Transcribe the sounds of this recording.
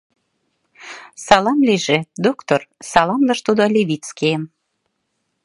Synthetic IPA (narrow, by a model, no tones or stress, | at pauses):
sɑlɑmliʒĕd̪okt̪orsɑlɑmlɑʃt̪ud̪olʲeβʲit̪t͡skeəm